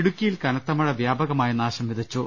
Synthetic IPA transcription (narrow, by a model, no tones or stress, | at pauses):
ɽukʲːijilkɐnɐt̪ːɐmɐɻɐʋjaːbɐɣɐmaːjɐnaːɕɐmʋid̪ʱɐt͡ɕːo